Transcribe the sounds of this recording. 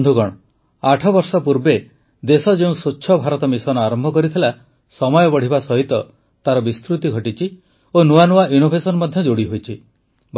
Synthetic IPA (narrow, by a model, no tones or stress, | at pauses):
nd̪ʱukɔɽ̃ɔ | aʈʰɔbɔɾsɔpuɾbe | d̪esɔd͡ʒeũsoːʃʰɔbʱaɾɔt̪ɔmisɔnɔaɾɔmbʱɔkɔɾit̪ʰila | sɔmɔjɔbɔɽ̤ibasɔɦit̪ɔ | t̪aɾɔbist̪ɾut̪iɡʱɔʈit͡ʃʰi | onuanuaʔjunobʱesɔnmɔd̪ʱjɔd͡ʒoɽiɦojt͡ʃʰi | b